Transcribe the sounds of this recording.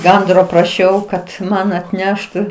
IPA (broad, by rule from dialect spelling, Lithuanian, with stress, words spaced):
ˈɡɐndroː prɐˈʃʲɛʊ kɐt ˈmɐn ɐtʲˈnʲæːʃtʊ